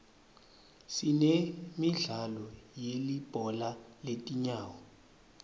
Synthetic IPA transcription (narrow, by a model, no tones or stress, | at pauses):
sinemiɮalɔjelib̥ʱɔlaletʼiɲaːwɔ